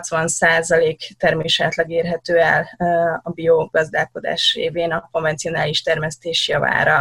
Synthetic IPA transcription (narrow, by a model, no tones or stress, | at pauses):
t̪sʋɒnsaːzɒleːkt̪ɛrmeːʃaːt̪lɒɡeːrɦɛt̪øːɛ̰lɒbioɡɒzd̪aːko̞d̪a̰ːʃrḛːveːnɒkoɱvɛntsijo̞naːliʃt̪ɛrmɛst̪eːʃjɒva̰ːɾɒ